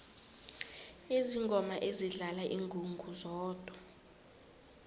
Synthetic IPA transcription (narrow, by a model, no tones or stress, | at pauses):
eziŋɡʱɔmaʔeziɮalaʔiŋɡʱuŋɡʱuzɔːd̥ʱwa